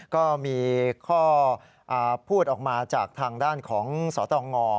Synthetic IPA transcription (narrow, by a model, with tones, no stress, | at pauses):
kɔː˥˩miː˧kʰɔː˥˩ | ʔaː˨˩pʰuː˥˩t̪̚ʔɔː˨˩k̚maː˧t͡ɕaː˨˩k̚t̪ʰaː˧ŋdaː˥˩nkʰɔː˩˦ŋsɔː˩˦t̪ɔː˧ŋɔː˧